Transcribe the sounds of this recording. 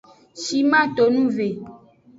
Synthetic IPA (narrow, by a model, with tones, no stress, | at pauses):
ʃi˦mã˦t̪o˨nũ˦ve˨